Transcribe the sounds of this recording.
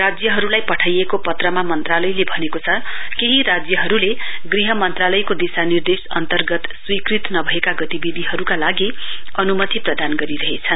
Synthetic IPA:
rad͡zjʌɦʌɾulajpʌʈʰajekopʌt̪rʌmamʌnt̪ralʌjlebʱʌnekot͡sʰʌkeɦiɾad͡zjʌɦʌɾule | ɡriɦʌmʌnt̪ralʌjkod̪isanird̪esʌ̰nt̪ʌrɡʌt̪swikrit̪nʌbʱʌekaɡʌt̪ibid̪ʱiɦʌɾukalaɡi | ʌnumʌt̪iprʌd̪anɡʌɾiɾʌɦet͡sʰʌn

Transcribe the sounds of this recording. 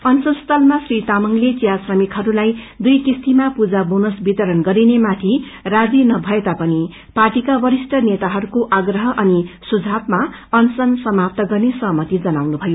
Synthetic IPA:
ʌnsʌnst̪ʰʌlmasrit̪amʌŋlet͡sijasrʌmikɦʌɾulaj | d̪ujkist̪imapud͡zabonʌsbit̪ʌɾʌnɡʌɾinemat̪ʰi | rad͡zinʌbʱʌet̪apʌni | parʈikabʌɾisʈʌnet̪aɦʌɾukoʔaɡrʌɦʌʔʌnisud͡zʱabma | ʌnsʌnsʌmap̚t̪ʌɡʌrnesʌɦʌmʌt̪id͡zʌnawnubʱʌjo

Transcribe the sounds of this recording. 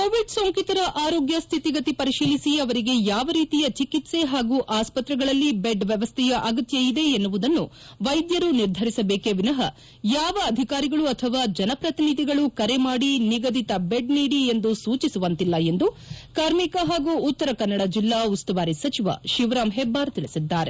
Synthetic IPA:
koːʋiɖsoːŋkit̪ɐɾɐʔaːɾoːɡjɐst̪ʰit̪iɡɐt̪ipɐɾiʃiːlisiɐʋɐɾiɡe̞jaːʋɐɾiːt̪ijɐt͡ʃikit̪se̞ɦaːɡuːʔaːspɐt̪ɾɛɡɐɭɐlːibeɖʋjɛʋɐst̪ʰɛjɐʔɐɡɐt̪jɐid̪e̞enːuʋud̪ɐnːu | ʋɐjd̪jɐɾuniɾd̪ʱɐɾisɐbeːkeʋinɐɦɐ | jaːʋɐːd̪ʱikaːɾiɡɐɭuɐt̪ʰɐʋaːd͡ʒɐnɐpɾɐt̪inid̪ʱiɡɐɭukɐɾe̞maːɽiniɡɐd̪ʱit̪ɐbeɖniːɽie̞nd̪usuːt͡ʃisuʋɐnt̪ilːɐe̞nd̪u | kaːɾmikɐɦaːɡuːt̪ːɐɾɐkɐnːɐɽɐd͡ʒilːaːust̪uʋaːɾisɐt͡ʃiʋɐ̰ʃiʋɾaːmɦebaːɾɐt̪iɭisid̪ːaːɾe̞̰

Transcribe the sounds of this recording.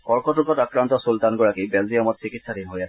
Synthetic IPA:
kɔɾkɔʈukɔt̪akɾant̪ɔsult̪anɡɔɽakibeldiɔmɔt̪̚t͡ʃikit̪saɾinɦoja

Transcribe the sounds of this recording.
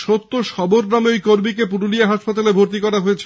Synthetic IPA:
ʃot̪ːoʃɔboɾnameojkoɾmikep̬uɾuliaɦaʃpat̪alebʱoɾt̪ikɔɾaɦoet͡ɕʰ

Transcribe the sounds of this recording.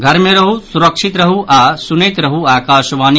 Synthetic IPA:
ɡʱɐɾmɐɾɐɦusuɾɐkʂit̪ɾɐɦuʔaːsuneːt̪ɾɐɦuaːkaːʃɐʋaːn

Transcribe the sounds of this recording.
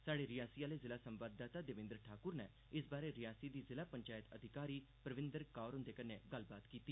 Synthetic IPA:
saːɽeːɾɪjaːsijaːleːzɪlaːsəmʋaːd̪ːaːt̪aːd̪ɪʋɪ̃nd̪ɾʈʰaːkʊɾnɛː | ɪsbaːɾeɾɪjaːsiːd̪iːzɪlaːpəɲt͡ʃaːjət̪əd̪ʱɪkaːɾiːpɾəʋɪ̃nd̪əɾkaːɾɦʊ̃nd̪eːkəneɡalbaːt̪kiːt̪iː

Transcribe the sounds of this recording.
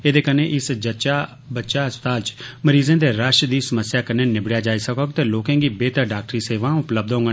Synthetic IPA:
eːd̪eːkəneːʔɪsd͡ʒət͡ʃaː | bəʃaːst̪aːt͡ʃməɾiːzẽːd̪eːɾaːʃd̪iːsəməsjaːkəneːnɪbɽjaːd͡ʒaːiːsəkoːkt̪eːloːkɛ̃ːɡiːbeːt̪əɾɖaːk̚ʈɾiːseːʋãːʊpləb̚d̪ɦõːŋɡə

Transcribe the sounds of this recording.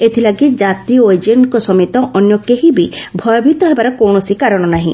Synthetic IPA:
et̪ʰilaɡid͡ʒat̪ɾiɔojd͡ʒeɳʈkɔsɔmit̪ɔʔɔnjɔkeɦibibʱɔjɔbʱit̪ɔɦebaɾɔkowɳ̃ɔsikaɾɔɽ̃ɔnaɦḭ̃

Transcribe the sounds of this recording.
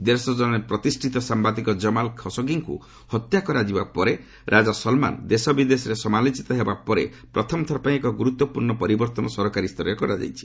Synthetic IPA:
d̪eɾsɔd͡ʒɔnnepɾɔt̪isʈʰit̪ɔsambad̪ikɔd͡ʒɔmalkʰɔsɔɡiŋkṵ | hɔt̪jakɔɾad͡ʒibapɔɾe | ɾʔad͡ʒasɔlma̰nd̪esɔbid̪esɔɾesɔmalit͡ʃit̪ɔɦebapɔɾḛ | pɾɔt̪ʰɔmɔt̪ʰɔɾɔpaĩekɔɡuɾut̪ːɔpuɾɳɔpɔɾibɔɾt̪ɔnɔsɔɾɔkaɾist̪ʰɔɾɔjɔkɔɾad͡ʒa̰jt͡ʃʰi̥

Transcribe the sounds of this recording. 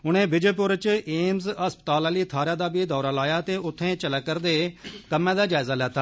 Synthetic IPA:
ʊñẽːbɪd͡ʒeːpʊɾt͡ʃeːmzəspə̥t̪aːlãːliːt̪ʰaːɾãːd̪aːbiːd̪ɔːɾaːlaːjaːt̪eːʊt̪ʰːẽːt͡ʃələkːəɾd̪eːkəmːɛ̃ːd̪aːd͡ʒaːɪzaːlɛːt̪aː

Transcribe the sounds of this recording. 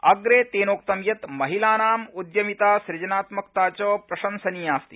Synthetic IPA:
ɐɡɾeːt̪eːnoːk̚t̪ɐmjɐt̪mɐɦilaːnaːmud̪jɐmit̪aːsɾɪd͡ʒɐnaːt̪mɐkt̪aːt͡ɕɐːpɾɐʃɐnsɐniːaːst̪i̥

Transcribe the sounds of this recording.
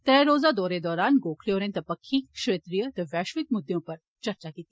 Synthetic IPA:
t̪ɛ̃ːɾoːzad̪ɔːɾed̪ɔːɾaːnɡoːkʰljoːɾẽt̪ɐpəkʰːiːkʃɾeːt̪ɾijət̪əʋɛːʃʋɪk̚mʊd̪jõːpəɾ | t͡ʃɐɾt͡ʃakit̪iː

